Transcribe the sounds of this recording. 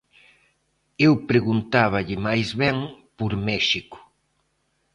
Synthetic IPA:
ewpɾeɣunt̪aβ̞aʎɪmajzβɛŋpoɾmɛʃikʊ̥

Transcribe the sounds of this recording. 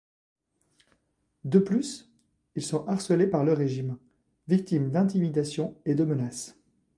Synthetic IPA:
d̪əplys | ilsɔ̃ʔaʁsəlepaʁləʁeʒim | vik̚t̪imd̪ɛ̃t̪imid̪asjɔ̃ed̪əmənas

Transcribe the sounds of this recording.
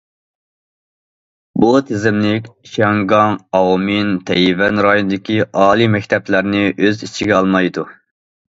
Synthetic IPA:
but̪ʰɪzɪmlɪkʲʃɑŋɡɑŋɑwmint̪ʰɛjvɛnɾɑjonɨd̪ɪkʲiʔɑːlˠimɛk̚ʲt̪ʰɛplæɾnɪʔøzit͡ʃʰiɡʲɛɑlˠmɑjd̪u

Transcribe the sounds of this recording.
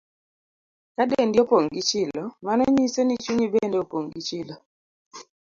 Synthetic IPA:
kadendjopoŋɡit͡ʃɪlɔmanɔɲisonit͡ʃuɲibendeopoŋɡit͡ʃɪlɔ

